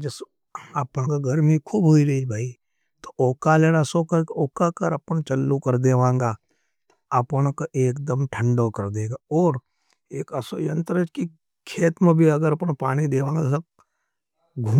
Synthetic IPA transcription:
d͡ʒɐs | apãkaɡʱɐɾmikʰuːbɦoːiɾɐibʱaːi | t̪o̥oːkaleːɽasokɐɾkoːkakɐɾɐpənt͡ʃɐlːukɐɾd̪eːʋãːŋɡaː | ɐpənkaʔeːkd̪əmʈʰə̃ɳɖokɐɾd̪eːɡaɔːɾ | eːkɐsojɐ̃nt̪ɾət͡ʃki | kʰeːt̪mẽbʱiɐɡəɾɐpnpaːɽ̃id̪eːʋãːŋɡasɐ | ɡʱuː

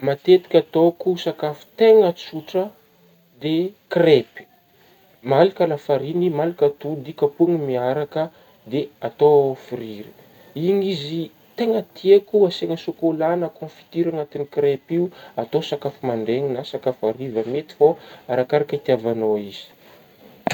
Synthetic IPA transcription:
mat̪et̪i̥kʲat̪okusakafi̥t̪eŋət͡suʈ͡ʂə | d̪ekrepi̥ | malikalafaɾinimalikat̪ud̪ikəpuŋimiaɾakə | d̪eat̪oofiɾiɾi̥ | iŋizi | t̪eŋət̪iekuaseŋəsukolanəkõfi̥t̪iɾaŋat̪inikrepiuat̪osakafimaɳɖ͡ʐeŋinasakafaɾivəmet̪i̥foaɾakaɾakəit̪iavanoiz̥i̥

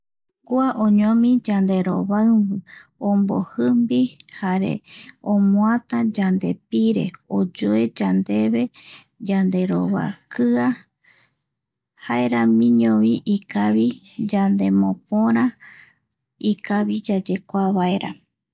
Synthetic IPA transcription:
kuaʔõɲõmĩd͡ʒand̪e̞ɾo̰βaɨβɨõmbo̰hɨmbihaɾḛõmõat̪ad͡ʒand̪e̞piɾe̞̰od͡ʒoe̞d͡ʒand̪e̞βe̞ | d͡ʒand̪e̞ɾo̞βa̰kɨa | haeɾamĩɲõβiʔikaβid͡ʒand̪e̞mõp̚oɾã | ikaβid͡ʒad͡ʒe̞kʷaβaeɾa̰

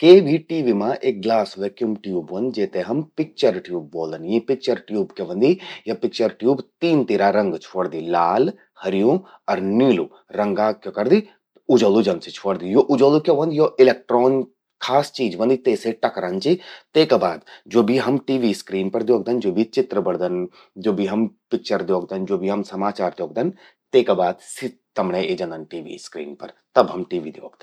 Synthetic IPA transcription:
keːbʱiʈiːʋiːmãʔeːk̚ɡlaːsʋeːkjumʈjuːbʋɐnd̪d͡ʒeːt̪eɦɐmpɪk̚t͡ʃɐɾʈjuːb̚ːoːld̪ənjĩpɪk̚t͡ʃɐɾʈjuːbkeʋɐ̃nd̪ijɐpɪk̚t͡ʃəɾʈjuːbt̪iːnt̪iːɾaɾɐ̃ŋɡt͡ʃʰoːɽd̪iːlaːl | hɐɾijũ | ɐɾniːlu | ɾɐŋɡaːkjokɐɾd̪i | ʊd͡ʒɐlud͡ʒɐnd̪sit͡ʃʰoːɽd̪ijoʔʊd͡ʒolukʲoʋɐ̃nd̪joʔɪlek̚ʈɾoːn | kʰaːst͡ʃiːd͡ʒʋɐ̃nd̪it̪eːseʈɐkɾɐnt͡ʃit̪eːkabaːd̪d͡ʒoːbʱiɦɐmʈiːʋiːskɾiːnpɐɾd̪joːɡ̚d̪ɐnd͡ʒoːbʱit͡ʃɪt̪ɾəbɐɽd̪ɐn | d͡ʒoːbʱiɦɐmpɪk̚t͡ʃəɾd̪joːɡ̚d̪ɐnd͡ʒoːbʱiɦɐmsɐmaːt͡ʃaːɾd̪joːɡ̚d̪ɐn | t̪eːkabaːd̪sit̪ɐmɽeed͡ʒɐ̃nd̪ɐnʈiːʋḭːskɾḭːnpɐɾt̪ɐbɦɐmʈiːʋiːd̪joːɡ̚d̪ɐn

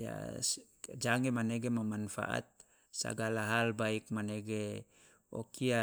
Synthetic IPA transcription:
ja̰ | d͡ʒaŋɛmaneɡemamanfa̰ʔa̰t̪̚ | sa̰ɡalaɦalbaik̚maneɡe | ɔ̰kia

